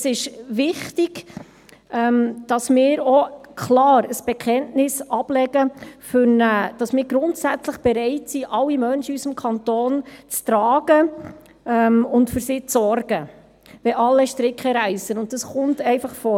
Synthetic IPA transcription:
sɪʃʋɪχtɪɡ̥ | ʔɛmd̥ɑsmɪːɾokʰlɑːɾəsb̥ɛkʰɛntnɪsɑb̥lɛɡəfʏɾnəd̥ɑsmɪːɾɡɾʊntsæt͡sləχb̥ɛɾɛɪtsiʔɑlːimœnʃəysəmkʰɑntoːnt͡stɾɑːɡə | ɛmʊntfʏɾsiːt͡sːɔɾɡ̥ə | ʋɛʔɑlːɛʃtɾɪkχəɾæɪsənʊnt̚d̥ɑsχʊntɛɪfɑχfɔ

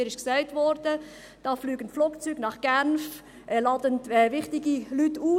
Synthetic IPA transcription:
ɾɪʃksæɪtvɔɾd̥ə | d̥ɑːflyːɡəntfluːkt͡syːɡnɑχɡ̥ænf | ʔɛlɑːdəntɛvɪχtɪɡilytːuː

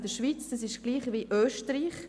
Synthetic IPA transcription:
d̥əʃviːt͡sd̥asɪʃɡ̥liːχviʔøːʃtɾiːχ

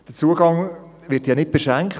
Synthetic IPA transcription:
d̥ət͡suəɡɑŋ | vɪtjɑnɪt̚b̥eʃæŋkχt

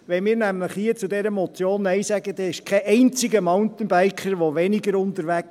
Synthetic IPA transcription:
ʋɛmɪːɾnæmləχhiːət͡sud̪ɛɾəmɔt͡sjoːnːɛɪsæɡəd̥̪ɛɪʃkʰɛʔɛɪnt͡sɪɡəmɑʊnt̪n̩b̥æɪkχəɾʋɔʋɛnɪɡəɾʊntəɾʋæk

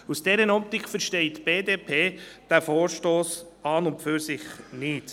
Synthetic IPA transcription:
usd̥ɛɾənɔp̚t̪ɪkχfəɾʃtɛɪtb̥eːdeːpʰeːd̥æfoːɾʃtoːsɑnʊntfyɾsɪχnɪt

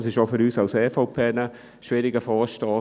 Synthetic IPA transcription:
sɪʃofʏɾyːsɑʊsɛːfoʊpʰeːnə | ʃʋɪɾɪɡəfɑːʃtɑː

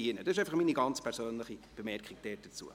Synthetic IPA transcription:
iɪnəd̥ɑsɪʃ̬eɪfɑχmiːniɡɑnt͡spʰɛɾsøːnləχib̥emɛɾkχiɡ̥̚d̥ɛːt̚d̥ət͡sṵə

